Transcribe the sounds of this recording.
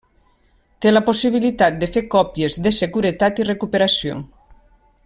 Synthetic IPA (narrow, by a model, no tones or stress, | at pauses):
t̪elaposiβ̞ilit̪at̪̚d̪efeɾkɔpjezðeseɣuɾet̪at̪irekupeɾasjo̰ŋ